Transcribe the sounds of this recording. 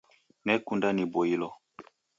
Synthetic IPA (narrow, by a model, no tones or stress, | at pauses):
nɛkundanibɔilɔ